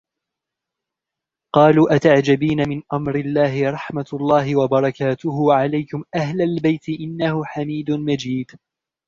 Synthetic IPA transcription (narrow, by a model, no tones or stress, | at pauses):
qɑːluːʔat̪aʕd͡ʒabiːnamɪnʔamɾɪlːaːɦɪɾˤɑħmalˤːɑːɦɪwabɑɾˤɑkaːt̪ʊɦʊwʕalajkʊmʔahlalbajt̪ɪʔɪnːahʊħamiːd̪ʊmad͡ʒiːd̪